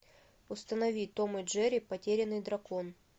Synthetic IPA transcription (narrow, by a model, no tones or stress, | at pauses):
ʊst̪ənɐvʲit̪o̞mɨʐɛɾʲɪpɐtʲeɾʲɪnːɨjd̪ɾɐkon